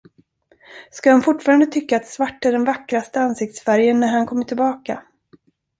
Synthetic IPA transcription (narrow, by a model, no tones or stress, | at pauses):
skahanfʊʈːfɑːɾand̪ət̪ʰʏkːaːt̪svaʈːæɖɛnvakɾast̪əansɪk̚t̪sfæɾjənːæɾhankʰɔmːəʈʰɪlbɑːka